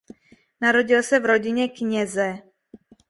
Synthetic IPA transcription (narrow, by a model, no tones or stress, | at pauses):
naɾoɟilsɛvɾoɟɪɲɛkɲɛzɛ